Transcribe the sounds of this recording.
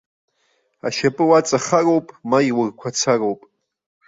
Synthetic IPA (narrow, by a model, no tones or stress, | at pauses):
aʃapʼɨwat͡sʼaχarowpʼmaiwʊrkʷʰat͡sʰarowpʼ